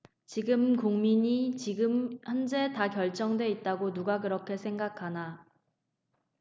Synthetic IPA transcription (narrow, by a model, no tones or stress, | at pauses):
t͡ɕiɡɯmkuŋmiɲit͡ɕiɡɯmhʌnd͡ʑe̞takjʌɭt͡ɕ͈ʌŋdwe̞it̚t͈aɡonuɡak̬ɯɾʌkʰe̞sʰe̞ŋɡakʰana